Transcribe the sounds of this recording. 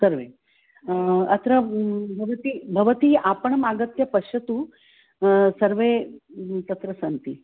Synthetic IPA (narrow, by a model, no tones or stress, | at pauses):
səɾʋe | ɐt̪ɾəbʱɐʋɐt̪iːbʱɐʋət̪iːapəɳmaɡət̪jɐpɐɕɐt̪uː | sɐɾʋe | t̪ɐt̪ɾɐsɐnt̪i